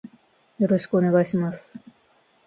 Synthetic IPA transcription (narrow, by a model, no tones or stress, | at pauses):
jo̞ɾo̞ɕi̥kɯ̟one̞ɡaiɕimasɨ̥